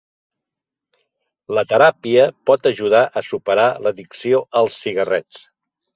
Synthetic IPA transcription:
lət̪əɾapiəpɔt̪əʒuð̞aʔəsupəɾaləðiksioʔəlˠsːiɣərɛt͡s

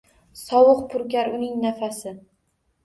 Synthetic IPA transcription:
sɒwʊqpʰʊɾkʲaɾʊnɪŋnafasɪ

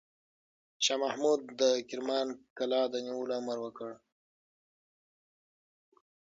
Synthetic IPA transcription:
ʃɑːmahmud̪ːəkɪɾmɑːnkalɑːd̪əniulaməɾwəkəɽ

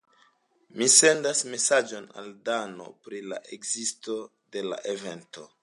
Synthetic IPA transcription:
mise̞ndasme̞sad͡ʒo̞na̰ldano̞̰pɾila̰ʔekzisto̞ | de̞la̰ʔeve̞nto̞

